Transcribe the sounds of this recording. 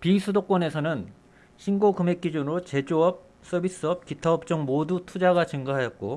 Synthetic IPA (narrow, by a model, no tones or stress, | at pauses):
pisʰudok͈wʌne̞sʰʌnɯn | ɕʰinɡokɯme̞k͈̚id͡ʑunɯɾot͡ɕe̞d͡ʑoʌp̚ | s͈ʌbʱis͈ɯʌp̚kitʰʌʌp̚t͡ɕ͈ʌŋmodutʰud͡ʑaɡat͡ɕɯŋɡaɦajʌt̚k͈o